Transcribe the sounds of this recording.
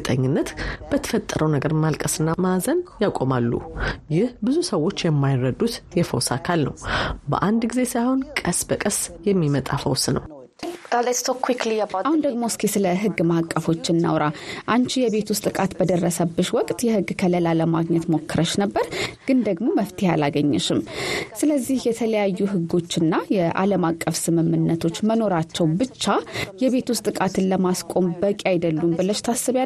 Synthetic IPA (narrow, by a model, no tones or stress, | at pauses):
t̪ʼəɲːɪnːət̪b̥ət̪ʰə̥fət̪ʼːəɾʔəwnəɡəɾmalkʼəsɨnːamazənjakʼo̞malːṵjɪhbɨzusəwo̞t͡ʃːjɛmːajrəd̪ːut̪jɛfə̰wsakʰalnə̰wbə̰ʔand̪ɡize̞sajho̞nkʼəsbəkʼəsjɛmːimət̪ʼafəwsnə̰w | aləst̪ʰokʰːwikliabʔahund̪əɡmoskʰesɨləɦɨɡːmakʼːəfo̞t͡ʃːɪnːa̰wɾaʔant͡ʃijɛβe̞t̪ʰust̪ʼɨkʼat̪bəd̪ərːəsəbːɨʃwɔkʼt̪ʼjɛhɨɡːkʰələlaləmaɡɲɛt̪mo̞kʰːɨɾəʃnəbːəɾɡ̥ɨnd̪əɡmo̞məft̪ʰiha̰laɡəɲːɛʃɪmsɨləzːihjɛt̪ʰələjajːuɦɨɡːo̞t͡ʃːɨnːajɛʔa̰ləmakʼːəfsɨmɨmːɨnːət̪ʰo̞t͡ʃːməno̞ɾat͡ʃːɛwbɨt͡ʃːajɛβe̞t̪ʰust̪ʼɨkʼat̪ʰɨnləmaskʼo̞mbəkʼajd̪əlːumbɨləʃt̪ʰasːɨβja